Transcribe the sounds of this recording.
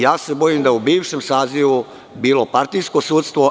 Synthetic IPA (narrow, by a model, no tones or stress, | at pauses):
jaːse̞bo̞jimd̪ajeubiːʋʃemsaːziʋu | biːlo̞paɾt̪ijskosuːt̪st̪ʋo̞